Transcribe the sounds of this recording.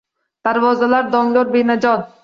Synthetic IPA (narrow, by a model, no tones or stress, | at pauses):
d̪̥aɾvɒzalaɾd̪ɒŋlʲoɾbenad͡ʒɒd̪